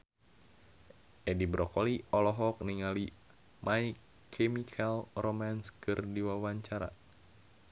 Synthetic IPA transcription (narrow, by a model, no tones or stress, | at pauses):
ʔɛdibɾɔkɔliɔlɔɦɔk̚niŋali | mʔaikʰː | ɛmikʰalromanskɨrdiwawaɲt͡ʃaɾa̰